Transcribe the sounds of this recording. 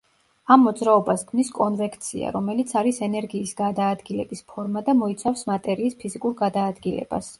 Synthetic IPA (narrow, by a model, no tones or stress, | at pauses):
amːɔd̪zɾaɔbaskʰniskʼɔnvɛkʰt̪sʰḭa̰ɾɔmɛlit̪sʰaɾisɛnɛɾɡiːsɡad̪aːd̪ɡilɛbispʰɔɾmad̪amɔit̪sʰafsmat̪ʼɛɾiːspʰizikʼuɾɡad̪aːd̪ɡilɛ̰ba̰s